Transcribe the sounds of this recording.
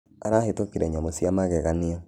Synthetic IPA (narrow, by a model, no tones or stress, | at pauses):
aɾahetokeɾɛɲamosiamaɣɛɣaniɔ